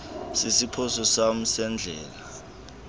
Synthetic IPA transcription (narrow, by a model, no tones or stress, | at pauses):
sisipʰɔsɔsam̩sɛnd͡ɮʱɛ̰ːla